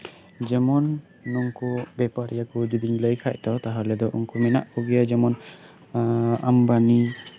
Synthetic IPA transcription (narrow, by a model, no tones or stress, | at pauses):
d͡ʒɛmɔnː | ɔŋkɔbɛpaɾijakɔd͡ʒid̪iŋləjkʰac̚t̪ɔt̪aɦalɛd̪ɔʔṵŋkumɛnaʔpuɡijad͡ʒɛmɔn | ambani